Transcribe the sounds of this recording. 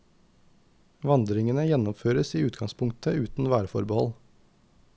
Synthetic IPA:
ʋɑnd̪ɾɪŋənəjɛnɔmføːɾəsiːʉːt̪ɡɑŋspʰʊŋkt̪ʰəʉːt̪n̩ʋæːɾəfɔɾbəhɔ̰l

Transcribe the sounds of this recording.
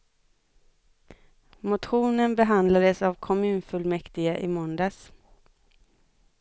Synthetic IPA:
mʊt̪ɧuːnənbɛɦand̪lad̪əsavkʰɔmʉ̟ːnfɵlmɛkt̪ɪɡaʔɪmɔnd̪as

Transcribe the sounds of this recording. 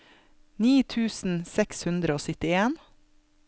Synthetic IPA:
niːt̪ʰʉːsn̩sɛkshʉnd̪ɾəoːsʏt̪ɪeːn

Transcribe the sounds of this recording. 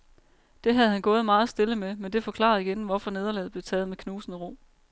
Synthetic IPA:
d̥e̝ɦæð̞̩ˠhænɡ̥ɔ̽ːð̩ˠmɑ̈ːð̞̩ˠsd̥e̝ləmemend̥e̝fɒ̽kʰlɑ̰̈ːɐð̩ˠiɡ̥enʋɒfɒ̽ne̝ːð̞ˠɐlɛ̰ð̩ˠble̝t͡sʰɛːð̩ˠmekʰnuːsn̩əʁo̝̰ː

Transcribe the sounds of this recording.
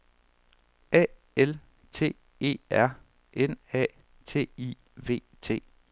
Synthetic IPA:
ɛ̰ː | el | t͡sʰe̝̰ː | e̝̰ːæɐ̰ | ʔenɛ̰ː | t͡sʰe̝̰ːḭ | ʋe̝̰ːt͡sʰe̝̰ː

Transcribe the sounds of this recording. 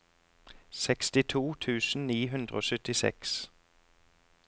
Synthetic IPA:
sɛkst̪ɪt̪ʰuːt̪ʰʉːsn̩niːɦʉnd̪ʁəo̰ːsœt̪ɪsɛ̰ks

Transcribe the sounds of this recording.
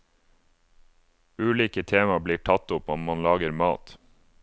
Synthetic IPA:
ʉːliːkət̪ʰeːmɑbliːʈʰɑt̪ʊpɔmmɑnlɑːɡəɾmɑːt̪

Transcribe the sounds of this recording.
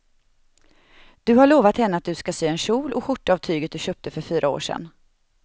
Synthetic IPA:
d̪̥ɵhaɭoːvat̪hɛnːəat̪̚d̪ɵskaseːɛnɕuːlɔɧʊʈːɑːvt̪ʰyːɡət̪̚d̪ɵɕøːp̚t̪əfœɾfyːɾʔao̰ːʂɛ̰nː

